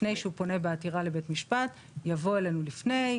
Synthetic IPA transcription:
ne̞jʃeupo̞ne̞beatiʁale̞betmiʃpat | javo̞e̞le̞nulifne̞j

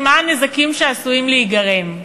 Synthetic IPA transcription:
manezakimʃeasuimleiɡaʁe̞m

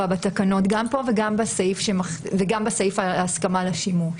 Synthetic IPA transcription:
abat̪akano̞t̪ɡampo̞veɡambasejifʃemaχveɡambasajifaːskamalaʃimu

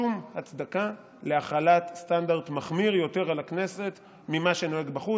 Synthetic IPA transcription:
umhat͡sd̪aka | le̞aχalat̪st̪andaʁdmaχmiʁjo̞te̞ʁalakne̞se̞t | mimaʃe̞no̞eɡbaχu

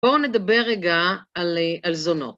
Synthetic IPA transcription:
oned̪abeʁeɡaalalzono̰

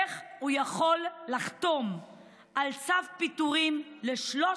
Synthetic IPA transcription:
χujaχo̞lːaχt̪o̞m | ʔalt͡savpit̪uʁimleʃlo

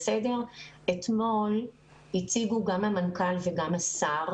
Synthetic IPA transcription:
sede̞ʁ | et̪mo̞l | hit͡siɡuɡamhamankalveɡamasaʁ

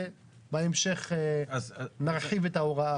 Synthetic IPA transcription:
baemʃeχe | naʁħivet̪aoʁaa

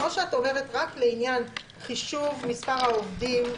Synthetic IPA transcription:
oʃeatove̞ʁetʁakle̞injan | χiʃuvmispaʁhaovdim

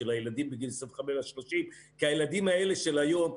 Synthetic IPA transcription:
elajelad̪imbiɡilsevχamelaʃlo̞ʃim | kiajelad̪imae̞le̞ʃe̞lajo̞m

